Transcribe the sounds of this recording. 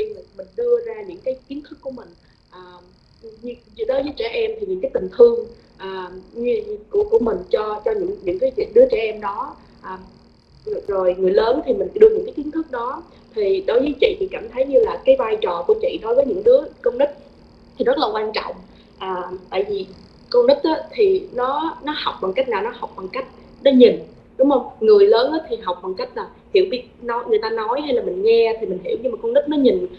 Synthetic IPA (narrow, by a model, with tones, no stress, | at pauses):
i˧˨˩mï˨˩ŋ̟ɗɨ˧əzaː˧ɲɨ̰˧˥ŋkaː˨˦jki˨˦ənt̪ʰɨ˦˥k̚ːu˧˩əmï˨˩ŋ̟ | ʔaː˨˩ | ɲɨ˧ɗo˨˦jvə˨˦jt͡ɕɛ˧˩ʔɛ˧mt̪ʰi˨˩ɲɨ̰˧˥ŋkːaː˨˦jt̪ï˨˩ŋ̟t̪ʰɨ˧əŋ | ʔaː˨˩ɲɨ˧ku˧˩əku˧˩əmï˨˩ŋ̟t͡ɕɔ˧t͡ɕɔ˧ɲɨ̰˧˥ŋɲɨ̰˧˥ŋkaː˨˦jḭ˧˩˦ɗɨ˨˦ət͡ɕɛ˧˩ʔɛ˧mɗɔ˨˦ | ʔaː˨˩˨ | zo˨˩jŋɨ˨˩əjləː˨˦nt̪ʰi˨˩mï˨˩ŋ̟ɗɨ˧əɲɨ̰˧˥ŋkaː˨˦jki˨˦nt̪ʰɨ˦˥k̚ɗɔ˨˦ | t̪ʰi˨˩ɗo˨˦jvəː˨˦jt͡ɕḭ˧˨t̪ʰi˨˩kaː˧˩mt̪ʰə˨˦jɲɨ˧laː˨˩kaː˨˦jvaː˧jt͡ɕɔ˨˩ku˧˩ət͡ɕḭ˧˨ɗo˨˦jvəː˨˦jɲɨ̰˧˥ŋɗɨ˨˦˥əkə˧wŋ͡mɗi˦˥k̚ | t̪ʰi˨˩zə˦˥t̚laː˨˩kwaː˧nt͡ɕɔ̰˧˨wŋ͡m | ʔaː˨˩t̪a̰ː˧˨jvi˨˩ | kə˧wŋ͡mɗi˦˥t̚ʔaː˨˦t̪ʰi˨˩nɔ˨˦nɔ˨˦ha˨˩wk͡p̚ɓaː˨˩ŋka˦˥k̟̚naː˨˩wnɔ˨˦ha˨˩wk͡p̚ɓaː˨˩ŋka˦˥jk̟̚ | nɔ˨˦ɲi˨˩n | ɗʊ˨˦ŋ͡mhə˧wŋ͡mŋɨ˨˩əjləː˨˦nʔaː˨˦t̪ʰi˨˩ɦa˨˩wk͡p̚ɓaː˨˩ŋka˦˥jk̚laː˨˩hi˧˩əwɓi˦˥ək̚nɔ˨˦jŋɨ˨˩əjt̪aː˧nɔ˨˦jɦa˧jlaː˨˩mï˨˩ŋ̟ŋɛ˧t̪ʰi˨˩mï˨˩ŋ̟ɦi˧˩əwɲɨ˧ŋmaː˨˩kə˧ŋ͡mni˦˥p̚nɔ˨˦ɲi˨˩n